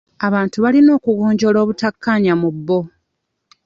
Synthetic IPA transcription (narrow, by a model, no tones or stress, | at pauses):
aβaːntuβalino̞ːkuɣo̞ːɲɟo̞lo̞ːβutakːaɲamubːo̞